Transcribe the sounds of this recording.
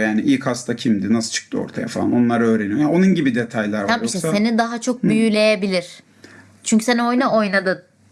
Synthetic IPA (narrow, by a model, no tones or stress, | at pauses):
jaːniʔilʲkhast̪ʰacʰimd̪inasɯlˠt͡ʃʰɯ̥k̚t̪ɯo̞̰ɾt̪ʰaja̰falˠa̰no̞nlˠaɾaø̞ːɾenijojaonunɟibid̪et̪ʰajlʲˠaɾvaamiʃt̪ɛse̞nid̪aɦat͡ʃʰo̞k̚byjylʲe̞jebilʲiɾ̥ | t͡ʃʰyɲʲcʰy̥se̞nio̞jnao̞jnad̪ɯ